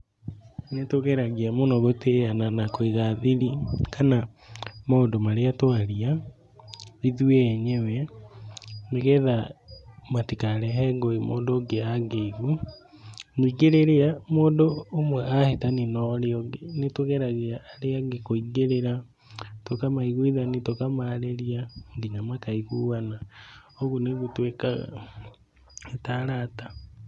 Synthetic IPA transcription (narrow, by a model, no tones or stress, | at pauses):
netoɣɛɾaɣeamonɔɣoteananakoiɣaðiɾikʰanamaondomaɾeatwaɾia | iðuɛːɲɛwɛ | meɣɛða | matikaɾɛɦɛɡoemo̰ːndoːɡeaɡeɣu | niɡeɾeɾeamoːndoːmwɛʔahetaninɔɾeɔɡenetweɣɛɾaɣeaːɾeaɡekoiɡeɾeɾa | twokamaiɣuiðanitokamaɾeɾiaŋɡiɲamakaiɣuwanaoɣuneɣutwekaɣa̰ | etaɾata